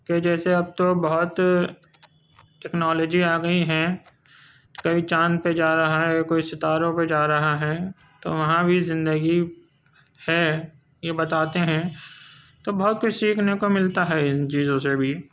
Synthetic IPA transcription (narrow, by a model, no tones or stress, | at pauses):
ked͡ʒɛːseɐb̚t̪obɐɦʊt̪ | ʈɛknɔːloːd͡ʒiaːɡəiɦɛ̃ | kɐit͡ʃãːnd̪̚ped͡ʒaːɾɐɦaɦɛkoːisɪt̪aːɾõped͡ʒaːɾɐɦaɦɛ | t̪o̰ʋɐɦãbʱizɪ̃nd̪əɡi | hɛ | jebɐt̪aːt̪eɦɛ̃ː | t̪obɐɦʊt̪kʊt͡ʃʰsiːkʰnekomɪlt̪aɦɛɪnt͡ʃiːzõsebʱiː